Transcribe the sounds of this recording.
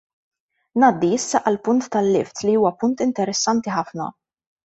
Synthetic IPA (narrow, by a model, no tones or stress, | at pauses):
nɐːd̪ːiɪsːɐʔɐlpʊnt̪ːɐlːɪ̰ft̪liuːwɐpʊnt̪ɪnt̪ɛɾɛsːɐnt̪iħɐfnɐ̰